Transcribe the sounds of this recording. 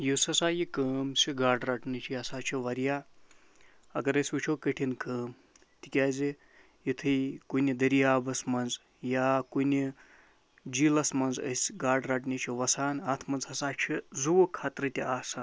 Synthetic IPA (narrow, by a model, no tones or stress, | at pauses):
jusɐsaːjikəːmsiɡaːɖɾaːʈnit͡ʃʰiɐsaːt͡ʃʰiʋɐɾjaː | ɐ̰kɐɾɐsʲʋut͡ʃʰokəʈʰinkəːm | t̪ikʲaːzi | jit̪ʰɨjkunʲid̪ɐɾijaːbɐsmɐnd͡z | jaːkunʲi | d͡ʒiːlɐsmɐnzə̰sʲɡaːɖɾaːʈnit͡ʃʰiʋɐsaːnɐt̪ʰmɐnzɦɐsaːt͡ʃʰizuwokʰaːt̪ɾɐt̪ʲiaːsan